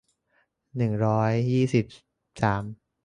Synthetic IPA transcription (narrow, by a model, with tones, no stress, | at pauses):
nɯ˨˩ŋɾɔː˦˥jːiː˥˩si˨˩p̚ | saː˩˦m